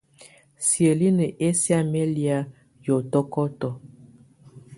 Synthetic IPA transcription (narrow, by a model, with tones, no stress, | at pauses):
sjə˨li˦nə˨ʔe˦sja˦me˦li˦a˦ | jɔ˨tɔ˦kɔ˦tɔ˨